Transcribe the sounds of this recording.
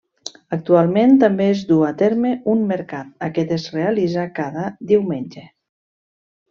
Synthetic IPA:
ək̚t̪ualˠment̪əmbeezd̪uat̪eɾmeunmeɾkat̪̚akɛt̪ezrealizakaðəd̪iwmenʲd͡ʒe

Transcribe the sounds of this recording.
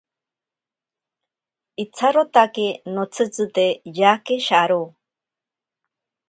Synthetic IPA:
it͡sʰaɾot̪akinot͡sʰɨt͡sɨt̪ejakeʃaɾu

